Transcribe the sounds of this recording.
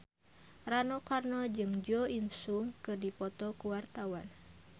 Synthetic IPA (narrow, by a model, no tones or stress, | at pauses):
ranɔkarnɔd͡ʒɨŋd͡ʒɔinsuŋkɨrdipɔt̪ɔkuwart̪awan